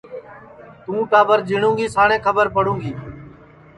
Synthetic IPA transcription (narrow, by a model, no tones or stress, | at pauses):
t̪ũːʈaːbəɾd͡ʒɪɳũːɡiːsaːɽẽːkʰəbəɾpəɽũːɡiː